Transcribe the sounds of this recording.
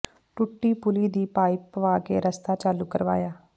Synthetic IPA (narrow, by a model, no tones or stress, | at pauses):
ʈʊʈːiːpʊliːd̪iːpaːɪpʋaːkḛːɾəst̪aːt͡ʃaːluːkəɾʋa̰ːjaː